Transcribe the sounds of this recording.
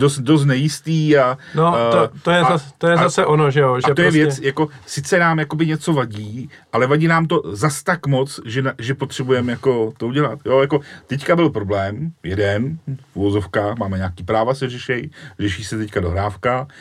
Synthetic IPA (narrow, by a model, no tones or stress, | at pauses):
dost̪dos̬t̪nɛjɪst̪iːanoojɛast̪ojɛzasɛʔonoʒɛjoʒaɛt̪ojɛvjɛt͡sjako̞sɪt͡sɛnaːmjako̞bɪɲɛt͡so̞vaɟiː | ʔalɛvaɟiːnaːmt̪o̞zast̪akmo̞t͡sʒɛnʒɛpo̞t̪r̝̥ɛbujɛmjako̞t̪o̞uɟɛlat̪jo̞jako̞t̪ɛckabɪlpɾo̞blɛːmjɛdɛnfuvo̞zo̞fkaːxmaːmɛɲaːkiːpɾaːvasɛrɛʃɛjrɛʃiːsɛt̪ɛckadoɦɾaːfka